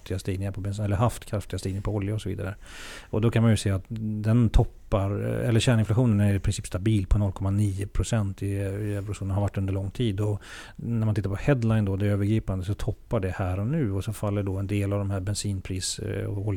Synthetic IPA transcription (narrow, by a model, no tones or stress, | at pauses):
t̪ɪɡast̪iːɡnɪŋaɾpʰɔbɛnɛlːəɾɦaft̪kʰɾaft̪ɪɡast̪iːɡnɪŋapʰɔɔljaɔsɔvḭːd̪aɾə | ɔd̪ɔkʰanmanjɵsɛːat̪d̪ɛnt̪ʰɔpːaɾɛlːəɕæːɳɪnflaɧuːnənæɾɪpʰɾɪnsiːpst̪abiːlpʰɔnɔlːkʰɔmaniːəpʰɾʊsɛnt̪ɪɛvɾʊʂuːnnhaɾvaʈːɵnd̪əɾɭɔŋːt̪ʰiːd̪ɔ | næɾmanɪt̪ːaɾpʰɔhɛd̪lajnd̪ɔd̪ɛːɾøːvəɾɡɾiːpand̪əsɔt̪ʰɔpːaɖɛhæːɾɔnʉ̟ːɔsɔfalːəɖɔɛnd̪eːlavd̪ɔmhæɾbɛnsiːnpʰɾiːsɔ̰ɔl